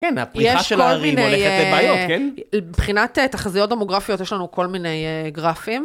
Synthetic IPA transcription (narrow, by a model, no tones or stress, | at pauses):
kɛna̰pʁijɛʃaeolmineejajokebpχinatetaχazijot̚domoɡʁafijotjɛʃlanuko̞lminejeɡʁafim